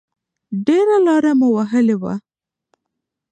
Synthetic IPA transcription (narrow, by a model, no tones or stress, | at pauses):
ɖeɾalɑɾamʊwaɦəlewa̰